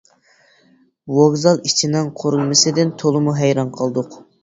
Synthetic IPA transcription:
woɡzɑlˠit͡ʃʰinɨŋqʰoɾlˠmɪsɪd̪ɪnt̪ʰolˠɨmuɦɛjɾɑnqʰəlˠd̪ʊq

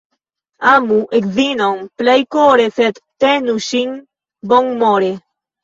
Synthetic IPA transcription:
amuʔekzinoŋplajkoɾeθet̪ːenuʃiŋ | bɔŋmoɾe

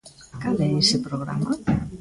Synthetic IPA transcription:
kalɛesepɾoɣɾa̰ma

